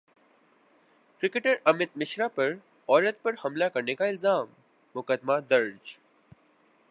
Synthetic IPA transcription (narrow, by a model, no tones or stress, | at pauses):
kɾɪkeʈəɾɐmɪt̪̚mɪʃɾapɐɾ | ɔːɾət̪̚pɐɾhɐmlakɐɾnekaɪlzaːmː | ʊkəd̪mad̪ɐɾd͡ʒ